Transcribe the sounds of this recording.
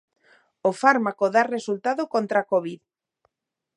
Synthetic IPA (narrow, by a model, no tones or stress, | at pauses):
ofaɾmakoðaresult̪aðokõnt̪ɾakoβið